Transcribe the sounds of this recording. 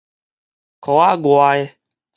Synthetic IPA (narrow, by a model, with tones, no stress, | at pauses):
kɔ˨˦a˦ɡo˨a˨e˦